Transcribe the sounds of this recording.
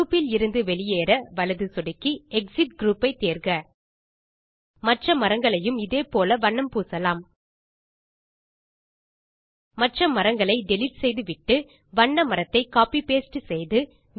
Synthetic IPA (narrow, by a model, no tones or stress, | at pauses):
uːpːɪlɪɾɯnd̪ɯʋɛɭɪjeːɾɐʋɐɭɐðɯsɔɽɯkːiɛksɪʈ̚ɡɾuːpɐɪt̪ːeːɾɡɐ | mɐʈrɐmɐɾɐŋɡɐɭɐjɯmɪðeːpoːlɐʋɐɳːɐmpuːsɐlaːm | mɐʈrɐmɐɾɐŋɡɐɭɐɪɖɛlɪʈsɛjðɯʋɪʈːɯ | ʋɐɳːɐmɐɾɐt̪ːɐɪkaːpipeːsʈɯsɛjðɯ